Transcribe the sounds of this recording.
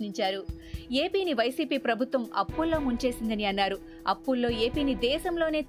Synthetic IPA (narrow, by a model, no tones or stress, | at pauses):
niɲt͡ʃaːɾu | e̞ːpiːniʋɐjsiːpiːpɾɐbʱut̪ʋɐmɐ̰pːulːo̞ːmuɲt͡ʃe̞ːsind̪ɐniɐnːaːɾu | ɐ̰pːulːo̞ːe̞ːpiːnid̪ɛːsɐmlo̞ːne̞ː